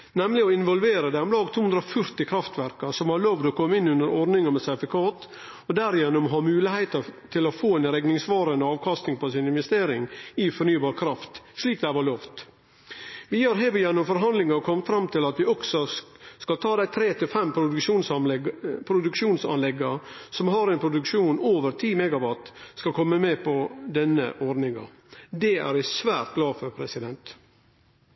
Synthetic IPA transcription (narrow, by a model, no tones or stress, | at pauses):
nɛmlɪɔɪnʋɔlʋeːɾəd̪æɪɔmlɑːɡt̪ʰuːʉnd̪ɾəɔfœɾt̪ɪkʰɾɑft̪ʋæɾkɑsɔmhɑɾɭɔʋd̪ɔkʰɔmːɪnːʉnəɾɔɾnɪŋəmɛsæɾfɪkʰɑːt̪ | ɔd̪æːɾɪjɛnːʊmɦɑmʉːlɪhæɪt̪əɾt̪ʰɪlɔfoːɛɪnɾɛɡnɪŋsʋɑːɾɑnd̪əɑːʋkʰɑst̪nɪŋpʰɔsɪnɪnʋɛst̪eːɾɪŋɪfɔɾɳyːbɑːɾkʰɾɑft̪ʂɭiːk̚d̪æɪʋɑɭɔft̪ | ʋɪjøːɾɦɛːɾʊjɛnːɔmfɔɾɦɑnd̪lɪŋɑɔkʰɔmfɾɑmt̪ʰɪlɑt̪ʋɪɔksɔskɑlt̪ʰɑːd̪æɪt̪ʰɾeːt̪ʰɪlfɛmpʰɾʊʂuːns | pʰɾʊd̪ʉkʂuːnsɑ̰nlɛɡɑsɔmɦɑɾɛnpʰɾʊd̪ʉkʂuːnoːʋəɾt̪ʰiːmɛɡɑʋɑt̪skɑkʰɔmːəmeːpʰɔd̪ɛnːə̰ʔɔɖnɪŋɑ̰ | d̪ɛæ̰ɾæsʋæːɾt̪̚ɡlɑːfœɾpʰɾɛsɪd̪ɛnt̪